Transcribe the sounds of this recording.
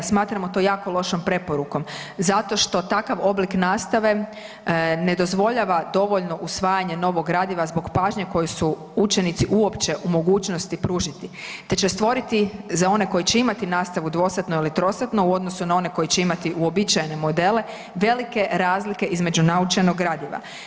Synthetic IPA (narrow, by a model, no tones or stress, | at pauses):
smaːt̪ɾamot̪o̞ːjaːko̞lo̞ʃompɾe̞po̞ɾuko̞m | zat̪o̞ʃt̪o̞t̪akaʋo̞bliknaːst̪aʋe̞ | ne̞d̪o̞zʋo̞ʎaʋad̪o̞ʋoʎno̞ʔusʋaːjaɲe̞no̞ʋo̞ɡɡɾaːd̪iʋazbo̞ɡpaːʒɲeko̞jusu | ut͡ʃe̞nit̪siʔuo̞pt͡ʃe̞ʔumo̞ɡuːt͡ʃno̞st̪ipɾuːʒit̪it̪e̞t͡ɕe̞st̪ʋo̞ɾit̪izao̞ne̞ko̞jit͡ɕe̞imat̪inaːst̪aʋud̪ʋo̞sat̪noilit̪ɾo̞sat̪nouo̞d̪nosunao̞ne̞ko̞jit͡ɕe̞imat̪iuo̞bit͡ʃajene̞mo̞d̪e̞le̞ | ʋe̞like̞ɾaːzlike̞ʔizme̞d͡ʑunaut͡ʃenoɡɡɾaːd̪iʋa̰